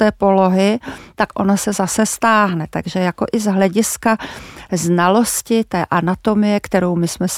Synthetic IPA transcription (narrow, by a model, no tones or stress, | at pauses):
ɛːpo̞lo̞ɦɪt̪akʔo̞nasɛzasɛst̪aːɦnɛt̪a̰ɡʒɛjako̞ʔɪzɦlɛɟɪskaznalo̞scɪt̪ɛːʔanat̪o̞mɪjɛkt̪ɛɾo̞wmɪsmɛs